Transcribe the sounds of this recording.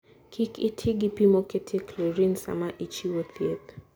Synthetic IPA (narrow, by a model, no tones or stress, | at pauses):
kʰikitʰiɡipimɔkɛtʰiklɛɾinsa̰maʔit͡ʃiwɔθiɛt̪